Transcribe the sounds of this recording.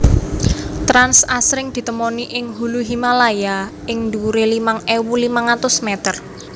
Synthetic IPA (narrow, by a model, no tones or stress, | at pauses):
t̪ɾansasɾɪŋd̪̥i̤t̪əmoniʔɪŋɦuluɦimalaja | ɪŋnd̪uuɾelimaŋewulimaŋat̪ʊsmet̪ər